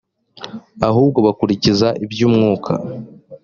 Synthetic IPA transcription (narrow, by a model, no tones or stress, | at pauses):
aɦuːb̚ɡo̞βakuɾicizaʔibjuːmŋuːkʰa̰